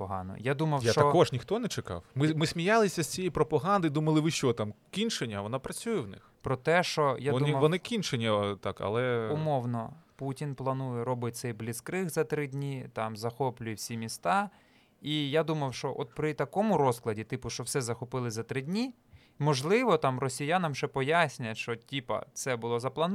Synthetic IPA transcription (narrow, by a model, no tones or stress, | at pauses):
pɔɦɑnɔ̰jad̪umɐwjʃatt͡ʃ̪ɐɔkɔʒnʲixt̪ɔnɛt͡ʃekɑ̰wmɪmɪsʲmʲijɑlˠɪsʲɐsʲt͡sʲijejpɾɔpɐɦɑnd̪ɪjd̪umɐlˠɪʋɪʃt͡ʃɔt̪ɑmkʲinʃenʲːɐʋɔnɑpɾɐt͡sʲujɛwnɪ̰xpɾɔt̪ɛʃt͡ʃɔjadumɐʋɔnɪkʲinʃenʲːɐt̪ɑkɐ̰lˠɛʊmɔwnɔputʲinplˠɐnujɛɾɔbɪt̚ʲt̪sɛjblʲɪskɾɪxzɐt̪ɾɪdʲnʲit̪ɑmzɐxɔplʲʊjɛwsʲimʲist̪ɑ | ijad̪umɐwʃɔʔɔt̪̚pɾɪt̪ɐkɔmʊɾɔsklˠɐdʲit̪ɪpʊʃt͡ʃɔwsɛzɐxɔpɪlˠɪzɐt̪ɾɪdʲnʲi | mɔʒlˠɪʋɔt̪ɑmrɔsʲijanɐmʒ̥ɛpɔjasʲnʲʊjɛʃt͡ʃɔtʲipɐ̰t̪sɛbʊlˠɔzɐplˠɐn